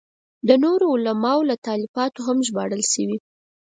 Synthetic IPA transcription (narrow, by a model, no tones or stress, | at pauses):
d̪ənoɾoːlamɑolat̪ɑlifɑt̪oɦamʒbɑɽəlʃəwi